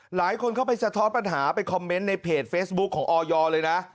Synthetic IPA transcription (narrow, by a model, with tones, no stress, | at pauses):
laː˩˦jkʰo˧nkʰa˥˩wpʰa˧jsʰa˧t̪ʰɔː˦˥npa˧nɦaː˩˦pa˧jkʰɔ˧mːe˦˥nːa˧jpʰeː˨˩t̪̚feː˦˥s̚bu˦˥kʰːɔː˩˦ŋʔɔː˧jɔː˧lɤː˧jna˦˥ʔ